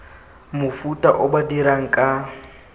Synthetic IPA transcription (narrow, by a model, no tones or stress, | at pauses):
mʊfutʼaʔʊbadiɾaŋ̩kʼa